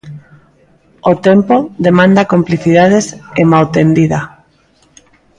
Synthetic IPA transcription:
ot̪empoðemãnd̪akompliθiðað̞esemalt̪end̪iða

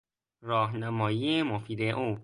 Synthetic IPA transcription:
ɾɒːɦnæmɒːjiːemofiːd̪eʔuː

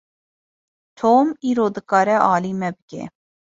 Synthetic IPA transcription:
t̪ʰoːmiːɾoːd̪ɨkɑɾɛʔɑːlimɛbɨɡʲḛ

